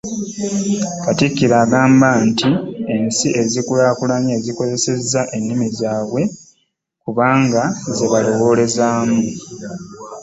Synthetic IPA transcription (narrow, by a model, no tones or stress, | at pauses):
katikːiɾaːɡaːmbantiensiʔe̞zikulaːkulaɲaeziko̞ze̞se̞zːaʔe̞nːimizaːβwe̞ | kuβaːŋɡaze̞βalo̞wo̞ːle̞zaːmu